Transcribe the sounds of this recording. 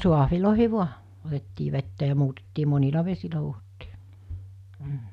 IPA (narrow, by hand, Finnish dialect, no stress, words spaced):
suɑhʋiloˑihi ʋuɑ otetːiː ʋetːæ jɑ muːtetːiː monilɑ ʋesilæ huːhotːiː m̩